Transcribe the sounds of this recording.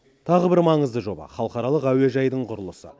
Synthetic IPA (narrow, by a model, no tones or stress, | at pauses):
t̪ʰɑʁəbɪɾmɑɴəzd̪əʒo̞bɑ̰χɑlˠəqɑɾɑlˠəqæwe̞ʒɑjd̪əɴqʰʊɾəlˠəsə̰